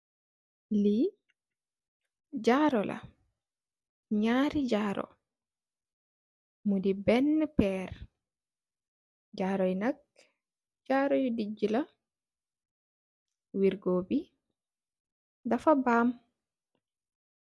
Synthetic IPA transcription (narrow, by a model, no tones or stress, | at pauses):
li | d͡ʒaɾɔlʔa̰ | ɲaːɾid͡ʒaːɾɔ̰ | mudibɛnːɛpɛɾ | d͡ʒaɾɔjnak | d͡ʒaɾɔjɔdid͡ʒila | wiɾɡoːbi | dafabaːm